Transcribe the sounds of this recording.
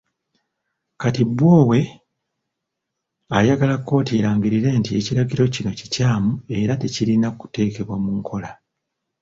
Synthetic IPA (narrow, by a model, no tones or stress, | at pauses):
katibwo̞ːwe̞ | ajaɡalakːo̞ːtieɾaːŋɡiɾiɾe̞ːntie̞ciɾaɡiɾo̞cino̞cicaːmue̞ɾate̞cilinaku̥te̞ːke̞βwamuŋkʰo̞la